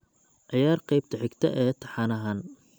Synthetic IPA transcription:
ʕɪjaːrqɑjb̚t̪ʰɐħɪɡt̪ʰɐ̰ʔɛːt̪ʰɐħɑːnɐɦaːn

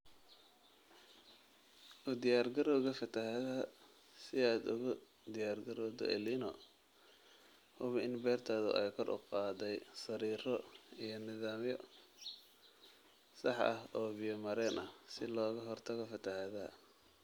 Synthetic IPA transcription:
ʔʊd̪ɪjaːrɡɐɾɔɣɐfɐt̪ʰɐɦɐð | sɪaːd̪ʊ̰ɣʊ | d̪ɪjaːrɡɐɾɔːd̪ɔ̰ʔɛ̰linɔ | hʊβɪnbɛːrt̪ʰaːðʊ̰ʔɛjkʰɔrʔʊ̰qɑːd̪ɛjsɐɾiːrɔijɔnɪðaːmjɔ | sɑħʔɐ̰hɔːbɪjɔmɐɾɛːnʔɐhsɪlɔːɣɐɦɔrt̪ʰɐɣɔfɐt̪ʰɐhɐðɐ

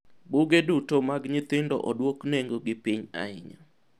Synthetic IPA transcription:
buɡedutomaɡɲɪt̪ɪndɔ̰ʔɔdwokneŋɡoɡɪpiɲa̰ɪɲa

